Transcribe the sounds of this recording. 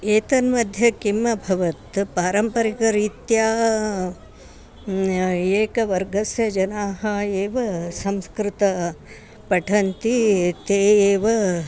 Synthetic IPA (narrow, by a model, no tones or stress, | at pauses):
eːt̪ɐnmɐd̪ʱjɐkimːɐbʱɐʋɐt̪paːɾɐmpɐɾikɐɾiːt̪jaː | eːkɐʋɐɾɡʱɐsjɐd͡ʒɐnaːɦɐeːʋɐsɐmskɾɪt̪ɐ | pɐʈʰɐnt̪it̪eːeːʋɐ